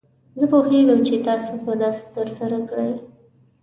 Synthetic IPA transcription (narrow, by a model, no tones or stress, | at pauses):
zəpoheɡəmt͡ʃet̪ɑsopəd̪ɑse̥t̪əɾsaɾakɽəj